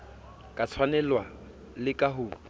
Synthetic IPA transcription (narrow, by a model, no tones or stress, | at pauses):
kʼat͡sʰwanɛlwa | lɪkʼaɦʊː